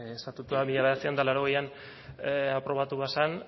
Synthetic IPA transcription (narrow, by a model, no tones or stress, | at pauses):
est̪at̪ut̪uðamiʎaβeat͡siand̪alaɾo̞ɣejan | apɾo̞β̞at̪uβasan